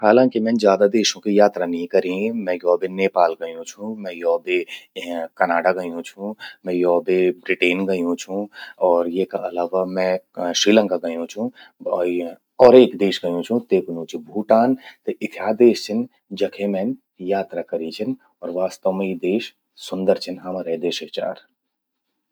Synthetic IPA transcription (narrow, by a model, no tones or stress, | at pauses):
ɦaːlãːŋkimɛ̃ːnd͡ʒjaːd̪ad̪eːʃõkijaːt̪ɾanɦĩkɐɾĩmɛ̃jɔːbeneːpaːlɡɐjũt͡ʃʰũmɛ̃jɔːbe | kɐnaːɖaɡɐjũt͡ʃʰũmɛ̃jɔːbebɾɪʈeːnɡɐjũt͡ʃʰũɔːɾjekaʔɐlaːʋamɛ̃ːʃɾiːlə̃ŋkaɡɐjũt͡ʃʰũ | ɔːɾeːkd̪eːʃɡɐjũt͡ʃʰũt̪eːkjũːt͡ʃʰibʱuːʈaːnt̪eʔɪt̪ʰjaːd̪eːʃt͡ʃʰɪn | d͡ʒɐkʰemɛːn | jaːt̪ɾakɐɾit͡ʃʰɪn | ɔːɾʋaːst̪əʋmid̪eːʃ | sʊnd̪əɾt͡ʃʰɪnɦɐmɾed̪eːʃɐt͡ʃa̰ːɾ